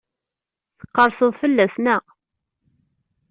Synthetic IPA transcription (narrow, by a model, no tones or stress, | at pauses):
θə̥qːɑɾˤsəðˤfəlːæsnə